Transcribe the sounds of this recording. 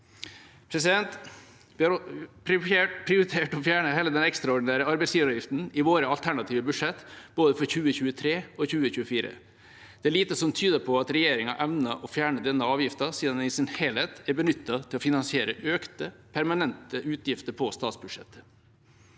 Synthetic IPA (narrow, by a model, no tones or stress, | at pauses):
pʰɾɛsɪd̪ɛnt̪ | ʋɪhɑɾpʰɾɪɾeːʈpʰɾɪʊɾɪt̪ʰeːʈɔfjæːɳəheːləd̪ɛnɛkst̪ɾɑɔɖɪnæːɾəɑɾbæɪsjiːʋɾɔːʋjɪft̪n̩ɪʋoːɾəɑlt̪ʰæɳɑt̪ʰiːʋəbʉ̥ʂɛt̪ːb̥oːd̪əfɔɾçʉːəçʉːət̪ʰɾeːɔçʉːəçʉːəfiːɾə̰ | d̪̥ɛæɭiːt̪əsɔmt̪ʰyːd̪əpʰɔɑt̪ɾɛjeːɾɪŋɑ̰ʔɛʋnɑʔɔfjæːɳəd̪ɛnːəɑːʋjɪft̪ɑsiːd̪ɑnɪsɪnhelheːt̪æɾbənʏt̪ːɑt̪ʰɪlɔfɪnɑnsɪeːɾəʔøːkt̪əpʰæɾmɑnɛnt̪əʔʉːt̪ʰjɪft̪əɾpʰɔst̪ɑːt̪sbʉdʂɛt̪ːə̥